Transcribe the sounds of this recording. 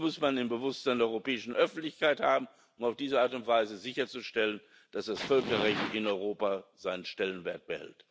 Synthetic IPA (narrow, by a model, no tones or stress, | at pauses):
mʊsmandɪnbəvʊsz̥andeɛɔʏʁopɛːɪʃn̩ʔœfn̩tlɪçkaɪthaːbm̩ | ʔʊmaʊfd̥iːzəaːɐtʊntv̥aɪzəzɪçɐt͡suʃtɛlən | d̥asd̥asfœlkɐʁɛçtɪnɔʏʁoːpazaɪnənʃtɛlənveːɐt̚b̥əhɛ̰lt